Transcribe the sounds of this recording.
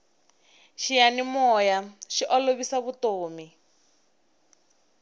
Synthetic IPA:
ʃijanimɔjaʃiʔɔloβisaβutoːmi

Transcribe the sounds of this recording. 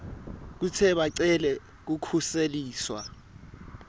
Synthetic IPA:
k̬ut͡sʰɛɓaǀɛlɛ | k̬ukʰuseliːswa

